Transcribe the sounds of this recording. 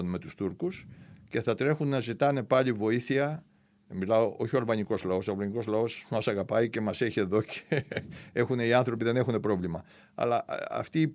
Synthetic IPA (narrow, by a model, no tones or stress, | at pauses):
onme̞t̪u̥st̪uɾkusce̞θɐt̪ɾe̞xunːɐzit̪ɐne̞pɐʎivo̞iθiɐ | milɐo̞ʔo̞çio̞ɐlvɐniko̞zlɐo̞soɐlvɐɲiko̞zlɐo̞smɐsɐɣɐpɐice̞mɐse̞çie̞ðo̞cʰee̞xune̞iɐnθɾo̞piðe̞ne̞xune̞pɾo̞vlimɐ | ɐ̰lɐɐ̰ft̪iː